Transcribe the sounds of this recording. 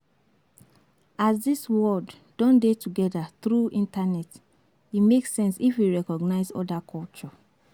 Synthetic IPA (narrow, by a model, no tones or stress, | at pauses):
azdiswɔdːɔ̃ndetuɡɛdaθɹuĩntanɛt | imeksɛ̃nsifwiɹɛkɔɡnaɪzɔ̰dakʰɔlt͡ʃɔ